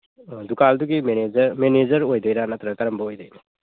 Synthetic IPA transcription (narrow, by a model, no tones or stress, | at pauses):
dukalduɡimeneɐɾmened͡ʒɐɾojdəjɾanatʰɾɐkɐɾɐmbɐojdəjn